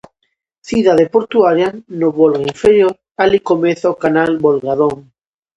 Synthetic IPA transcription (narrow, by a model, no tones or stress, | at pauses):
θiðaðepoɾt̪uaɾjanoβolɣaiɱfeɾjoɾ | alikomeθaokanalβolɣaðoŋ